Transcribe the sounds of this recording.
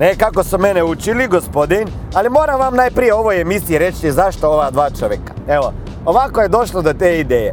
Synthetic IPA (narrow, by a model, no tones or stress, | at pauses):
nekako̞sumeneut͡ʃiliɡospo̞d̪in | alimo̞ːɾamʋamnaːjpɾije̞o̞ʋoje̞misiiɾet͡ʃizaʃt̪ooʋad̪ʋaːt͡ʃoʋjekḁe̞ʋo | oʋako̞je̞d̪o̞ʃlod̪ot̪eːid̪eːje